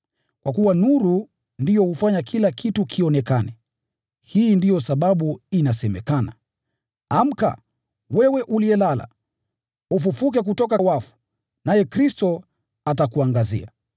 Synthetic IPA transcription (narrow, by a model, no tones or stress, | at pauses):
kwakuwanuɾu | ndijɔhufaɲakʰilakitukʰiɔnɛkanɛ | hiːndijɔsaɓaɓuinasɛmɛ̰kana̰ | am̩ka̰ | wɛwɛʔuliɛlala̰ | ufufuk̬ɛk̬utɔk̬awafu̥ | najɛkɾistɔ | atakuaŋɡazḭa̰